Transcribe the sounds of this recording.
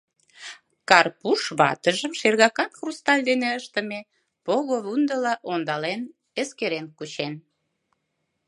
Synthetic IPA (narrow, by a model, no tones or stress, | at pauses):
kɑrpuʃβɑ̰t̪əʒəmʃerɣɑkɑnxrust̪ɑlʲd̪eneəʃt̪əme | poɣoβund̪əlɑʔond̪ɑlen | eskeɾenkut͡ɕen